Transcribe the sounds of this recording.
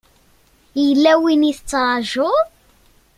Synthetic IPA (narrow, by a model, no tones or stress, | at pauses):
jəlːæwiniθət͡sːɾˤɑʒʊ